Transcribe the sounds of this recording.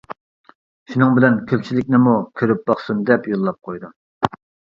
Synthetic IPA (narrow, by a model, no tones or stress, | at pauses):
ʃunɨŋbɪlɛnkʲʰøp̚t͡ʃʰilɪkʲnɪmukʲʰøɾyp̚bɑχsumd̪ɛpjolˠːɑp̚qʰojd̪um